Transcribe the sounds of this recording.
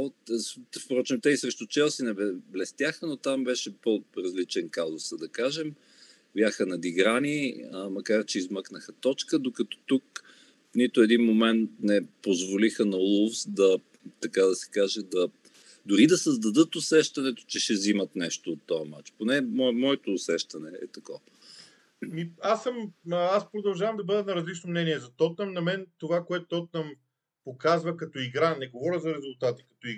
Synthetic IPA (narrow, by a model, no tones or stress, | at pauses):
sfpɾɔt͡ʃɛmt̪ɛisɾɛʃt̪ʊt͡ʃɛlˠsinɛbblɛst̪ʲjaxənot̪ambɛʃɛpoɾɐzlit͡ʃɛnkazʊsəd̪ɐkaʒɛm | bʲjaxənɐd̪iɡɾanimɐkaɾt͡ʃɛizmɤknəxət̪ɔt͡ʃkəd̪okɐt̪ɔ̥t̪uk | nit̪ʊɛd̪inmomɛnt̪nɛpozvolixənɐlˠufsd̪ɐ | t̪ɐkad̪ɐsɛ̥kaʒɛd̪ɐ | d̪ʊɾid̪ɐsɐzd̪ɐd̪ɤt̪ʊsɛʃt̪ɐnɛt̪o̥t͡ʃɛʃɛzimɐt̪nɛʃt̪oːt̪ːɔɐma̰t͡ʃponɛmɔmɔɛt̪oːsɛʃt̪ɐnɛɛ̰t̪ɐkɔ | miasəmaspɾod̪ɐlˠʒavɐmd̪ɐbɤd̪ɛnɐɾɐzlit͡ʃnomnɛniɛzɐt̪ɔt̪nɐmnɐmɛnt̪ovakoɛt̪ʊt̪ɔt̪̚nɐm | pokazvɐkɐt̪ɔiɡɾanɛɡovɔɾʲəzɐɾɛzʊlˠt̪at̪i̥kɐ̥t̪ɔi